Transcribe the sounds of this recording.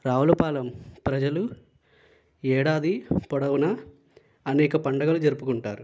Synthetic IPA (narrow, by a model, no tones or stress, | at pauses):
ɾaːʋɐlɐpaːlɐmpɾɐd͡ʒɐlu | ɛːɽaːd̪ipɔɽɐʋwunɐ | ɐnɛːkɐpɐɳɖɐɡɐlud͡ʒɐɾupukuɳʈa̰ːɾu